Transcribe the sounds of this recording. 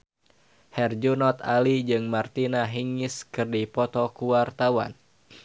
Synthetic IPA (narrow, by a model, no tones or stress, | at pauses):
hɛrd͡ʒunɔt̪alid͡ʒɨŋmart̪inaɦiŋiskɨrdipɔt̪ɔkuwart̪awa̰n